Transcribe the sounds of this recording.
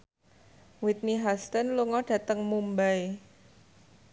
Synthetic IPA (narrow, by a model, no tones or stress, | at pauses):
wit̪̚niɦast̪ənluŋɔɖ̥ä̤t̪əŋmumbae